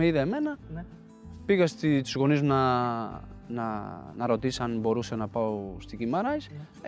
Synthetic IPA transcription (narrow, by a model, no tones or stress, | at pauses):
eiðeeme̞nɐ | piɣɐst̪it̪izɣo̞niznɐ | nɐ̰nɐɾo̞t̪isɐnbo̞ɾusenɐpɐost̪iɡimɐɾɐs